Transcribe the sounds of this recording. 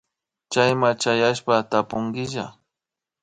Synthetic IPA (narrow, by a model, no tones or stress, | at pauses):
t͡ʃajmat͡ʃajaʃpat̪apʊŋɡɪʒa